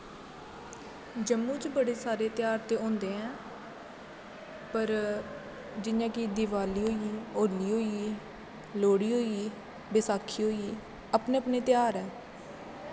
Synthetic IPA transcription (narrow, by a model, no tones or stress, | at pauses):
d͡ʒəmːũːt͡ʃbəɽeːsaːɾeːt̪ɪjaːɾt̪eːõːnd̪eːɦɛ̃ː | pəɾ | d͡ʒɪnãːkid̪ɪʋaːliːɦoːiːoːliːɦoːiː | loːɽiːɦoːiː | beːsaːkʰːiːɦoːiː | əpneːəpneːt̪jaːɾɛː